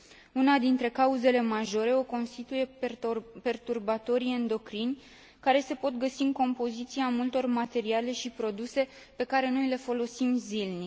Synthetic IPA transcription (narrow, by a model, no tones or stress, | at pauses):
unad̪int̪ɾe̞kauze̞le̞maʒo̞ɾe̞o̞ko̞nst̪it̪uje̞ | pe̞rt̪urbat̪o̞ɾiend̪o̞kɾinʲ | kaɾe̞se̞po̞t̪̚ɡəsiɨŋko̞mpo̞zit̪siamult̪o̞rmat̪e̞ɾiale̞ʃipɾo̞d̪use̞ | pe̞kaɾe̞no̞jle̞fo̞lo̞simzilni